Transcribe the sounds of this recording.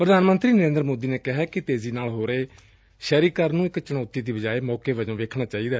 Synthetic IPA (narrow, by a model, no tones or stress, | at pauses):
pɾəd̪aːnmə̃nt̪ɾiːnəɾẽːnd̪ɾmoːd̪iːneːkɪɦɛːkɪt̪eːziːnaːlɦoːɾeː | ʃɛːɾiːkəɾnũːɪkt͡ʃəɽ̃ɔːt̪iːd̪iːbəd͡ʒaːeːmɔːkeːʋəd͡ʒõːʋeːkʰnaːt͡ʃaːiːd̪aː